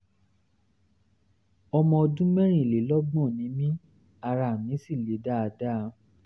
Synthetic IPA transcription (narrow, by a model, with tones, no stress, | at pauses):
ɔ˧mɔ̃˧ɔ˧dũ˦mɛ̃˦ɾ̃ĩ˦˨le˨˦lɔ˦ɡ͡bɔ̃˦˨nĩ˨˦mĩ˦ | a˧ɾa˨mĩ˨˦si˦˨le˨˦da˦a˧da˦˨